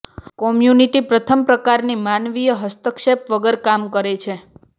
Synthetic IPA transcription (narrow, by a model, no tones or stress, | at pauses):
kɔmjuniʈipɾət̪ʰəmpɾəkaɾnimanʋijəɦəst̪əkʃepʋəɡəɾkamkəɾet͡ʃʰe